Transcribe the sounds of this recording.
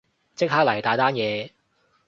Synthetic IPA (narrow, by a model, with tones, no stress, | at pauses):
t͡sɪ˥k̚haː˥k̚lɐ˨˩jt̪aː˨˧jt̪aː˥njɛː˨˧